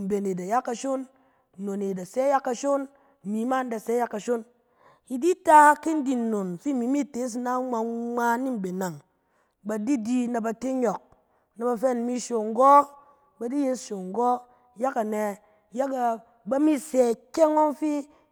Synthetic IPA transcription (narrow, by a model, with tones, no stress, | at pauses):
m̩˨be˨ne˨da˨ja˦kːa˨ʃo˦n˨ | no˨ne˨da˨sɛ˦ja˦kːa˧ʃo˦n̩˨ | mi˨˦ma˦n˦da˨sɛ˦ja˦kːa˨ʃo˦n | i˨di˦ta˦ki˦n̩˦di˨n̩˨no˨nfi˦˨mi˨˦mi˦˨te˨˦s̬i˦na˦ŋ͡ma˧˦a˧ni˦m̩˨be˨na˨ŋ | ba˨di˦di˧na˨ba˧te˦ɲɔ˨k̚ | na˨ba˧fe˦˨n˦mi˦ʃo˨ŋ̩˨˦ɡɔ˦ | ba˨di˦je˦sʃo˨ŋ˨ɡɔ˦ | ja˦ka˨nɛ˧˦ | ja˦ka˨ | ba˦mi˦sɛ˨kʲe˦ŋo˦n˦fi˦